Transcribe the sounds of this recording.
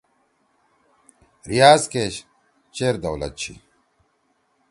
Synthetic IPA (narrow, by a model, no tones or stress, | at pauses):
ɾijaːzkeːɕ | t͡ɕeːɾd̪ɐwlɐ̰t̪̚t͡ɕʰḭ